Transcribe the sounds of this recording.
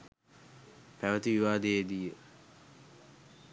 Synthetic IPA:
pæʋət̪iʋiʋaːd̪eed̪ijə

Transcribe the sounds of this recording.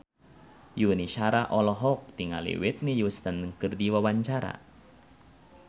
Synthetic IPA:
juniʃaɾaʔɔlɔɦɔk̚t̪iŋa̰lḭwɪt̪̚nijust̪ənkɨrdiwawaɲt͡ʃaɾa̰

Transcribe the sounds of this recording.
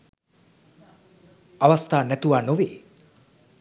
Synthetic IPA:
aʋast̪aːnæt̪uʋaːnoʋeː

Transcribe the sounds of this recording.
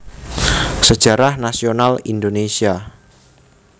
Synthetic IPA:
sə̥ʒ̥a̤ɾahnasionalindonesia

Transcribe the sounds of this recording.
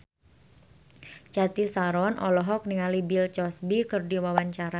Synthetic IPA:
t͡ʃat̪isaɾɔnʔɔlɔɦɔk̚niŋalibilt͡ʃɔsbikɨrdiwawaɲt͡ʃaɾa

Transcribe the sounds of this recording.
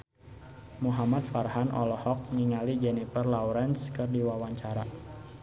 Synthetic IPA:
muɦamat̪̚farɦanʔɔ̰lɔhɔk̚niŋalid͡ʒɛnifərlawɾɛnskɨrdiwawaɲt͡ʃaɾa

